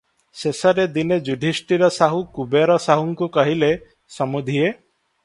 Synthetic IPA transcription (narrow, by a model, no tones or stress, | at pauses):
sesɔɾed̪ined͡ʒuɖʱisʈiɾɔsaɦukubeɾɔsaɦuŋkukɔɦile | sɔmud̪ʱie